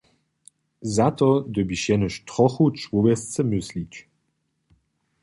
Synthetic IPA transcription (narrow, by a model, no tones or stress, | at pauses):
zat̪ɔd̪əbiʃjɛnəʃt̪ʁɔxut͡ʃvuvɛst͡səmɵslit͡ʃ